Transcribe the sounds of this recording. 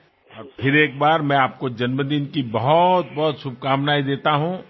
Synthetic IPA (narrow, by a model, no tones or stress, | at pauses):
ɔːɾpʰɪɾeːk̚baːɾmɛ̃aːp̚kod͡ʒɐnməd̪inkibɐɦʊt̪̚bɔɦʊt̪sʊb̚kaːmnaːid̪eːt̪aɦũː